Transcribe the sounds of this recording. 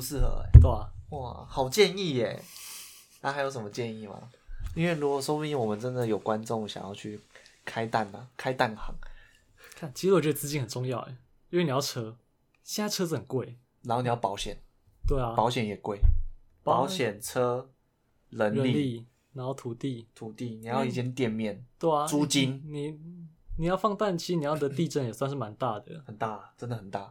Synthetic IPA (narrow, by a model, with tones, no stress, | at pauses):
u˧˦s̩˥˨xɤ̰˧˦˨t̪wa˥˨xɑ˨˩ʊt͡ɕjɛ˥˧ni˥˩e˨˩ | na˥xa˧ɪjo˧ʊʂə˨˩mə˦t͡ɕjɛ˥˧ni˥˩ma̰˨˩i˥nwe˥˩ɪlu˦˥kɔ˨˩so˥ʊpi˥nwɔ˨˩mə˨˦nt͡sə˦nd̪ə˨jo˨˩ʊkwa˦nʈ͡ʂo˥˨ŋ˨ɕjɑ̰˨ŋjɑ˥˧ʊt͡ɕʰy˥˩kʰa˦ɪt̪a˥˩na˨kʰa˦ɪt̪a˥˩nxɑ̰˧˦ŋ | kʰa˥˩˨nt͡ɕʰi˧s̩˥wt͡ɕɥɛ˥˩ə˨˩t͡sɹ̩˧t͡ɕi˥nxə˨˩nt͡so˥˧ŋjɑ˥˨ʊḛ˩ | i˥we˨˩˨ni˨˩jɑ˥˩ɤ˥ | ɕjɛ˥˨na˥˩ʈ͡ʂʰɤ˥t͡s̩˥˩ə˨˩nkwe˥˩ɪ | na˧n˥xni˨˩ja˥˩pɑ˧˥ʊɕjɛ˨˩n | t̪we˥˩ɪɐ˩pɑ˧˥ʊɕjɛ˨˦njɛ˨˩kwe˥˩ɪpɑ˨˦ʊɕjɛ˨˩nʈ͡ʂʰɤ˦˥ | lə˧˦nə˧li˥li˥˩ | na˨˧˥nxo˥˩ʊt̪ʰu˨˩t̪i˥˩t̪ʰu˨˩t̪i˥˩ni˨˩˨jʊi˥˩t͡ɕjɛ˦nt̪jɛ˥˧nmjɛ˥˩nt̪we˥˩ɪɐ˨u˦t͡ɕi˦nni˨˩ni˨˩jɑ˥˧ʊfɑ˥˧ŋt̪a˥˨nt͡ɕʰi˧ʂɻ̩˧ni˨˩jɑ˥˩ʊd̪ə˧˦t̪i˥˧ʈ͡ʂə˥˩njɛ˨˩swa˧nʂ̬̩˥˩ma˧˦nt̪a˥˩d̪ə̰˩xə˨˩nt̪a˥˩˨ʈ͡ʂə˦nd̪ə˨hə˨˩nt̪a˥˩